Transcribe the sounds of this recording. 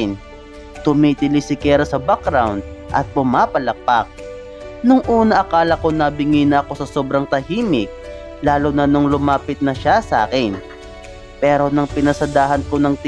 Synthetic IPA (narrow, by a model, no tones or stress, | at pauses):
ɪn | t̪ʊmit̪ɪlɪsɪkɛɾɐsɐbakɾawnd̪̚ʔɐ̰t̪̚pʊmaːpɐlɐk̚pak̚ | nʊŋʔuːnɐʔɐkaːlɐko̞nɐbɪŋɪnɐɐko̞sɐsoːbɾɐŋt̪ɐhiːmɪk̚ | laːlonɐnoŋlʊmaːpɪt̪̚nɐʃasɐʔa̰ːkɪn | pɛːɾo̞nɐŋpɪnɐsɐd̪aːɦɐnko̞nɐŋt̪